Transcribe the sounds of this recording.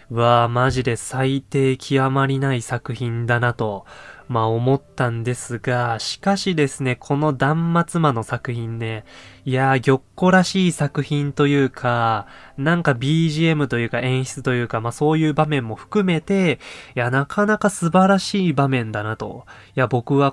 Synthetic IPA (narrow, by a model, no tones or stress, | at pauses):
ɯβaːmaʑid̪e̞sait̪e̞ːkʲʰiamaɾʲinaisakɯ̟çĩnd̪anat̪o̞maomo̞t̪ːãnd̪e̞sɨɡaɕi̥kaɕid̪e̞sɨne̞kʰo̞no̞d̪ãmːat͡sɨmano̞sakɯ̟çĩnːe̞ijaɡʲo̞kːo̞ɾaɕiːsakɯ̟çĩnt̪o̞jɯ̟ːkʰanãŋkabʲiːʑie̞mɯ̟t̪o̞jɯ̟ːkaẽ̞ɰ̃çi̥t͡sɨ̥t̪o̞jɯ̟ːkamaso̞ːjɯ̟ːbamẽ̞mːo̞ɸɯ̥kɯ̟me̞t̪e̞janakʰanakasɨbaɾaɕiːbamẽ̞nd̪anat̪o̞̰ | jabo̞kɯ̟βa